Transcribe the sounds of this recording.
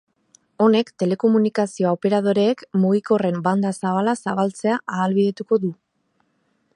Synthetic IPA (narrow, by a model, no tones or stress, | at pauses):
o̞ne̞kt̪e̞le̞ko̞munikasio̞ope̞ɾaðo̞ɾe̞ːkmuɣiko̞re̞mband̪asaβalasaβalt͡se̞aʔaːlβiðe̞t̪uko̞ðu